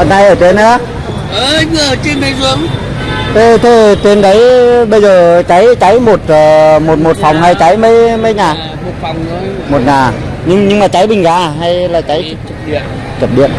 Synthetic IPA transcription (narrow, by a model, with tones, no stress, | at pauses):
ə˨˩na˧jʔəː˧˩t̪e˧nə˧˦ | ʔəː˨˧˨əː˧˨˩t͡ɕe˧nmə˨˦jzu˨˦əŋ | ʔ̪ə˧˩t̪ʰe˧˩t̪e˧nɗə˨˦jɓə˧jzəː˨˩t͡ɕa˨˦jt͡ɕa˨˦jmo˨˩t̚ːmo˨˩t̚mo˨˩t̚fa˨˩wŋ͡mha˧jt͡ɕa˨˦jmə˨˦jmə˨˧˦jɲaː˨˩ | o˨˩˨wŋ͡m | mo˨˩t̚ɲaː˨˩ɲɨ˧ŋɲɨ˧ŋmaː˨˩t͡ɕa˨˦jɓï˨˩ŋ̟ɣaː˧˩˦ɦa˧jlaː˨˩t͡ɕa˨˦j̚ən | t͡ɕə˨˩p̚ɗḭ˧˨ən